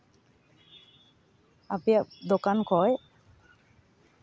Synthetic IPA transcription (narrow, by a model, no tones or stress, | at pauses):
apijak̚d̪okankʰɔj